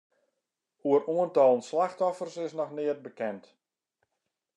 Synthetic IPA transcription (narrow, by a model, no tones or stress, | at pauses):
huəɾuəntɔlˠnslaxtɔfərsɪsnɔxnɪət̚bəkɛnt